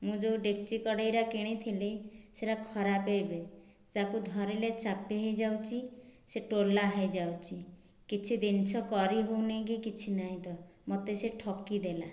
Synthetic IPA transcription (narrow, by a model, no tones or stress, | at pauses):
mũd͡ʒowɖek̚t͡ʃikɔɽajɾakeɽ̃it̪ʰiliseɾakʰɔɾapejbe | takud̪ʱɔɾelet͡ʃapːeɦejd͡ʒawt͡ʃʰiseʈolːaɦejd͡ʒawt͡ʃʰi | kit͡ʃʰid̪int͡ʃʰɔkɔɾiɦowneɡikit͡ʃʰinaĩd̪ɔmɔt̪eseʈʰɔkːid̪ela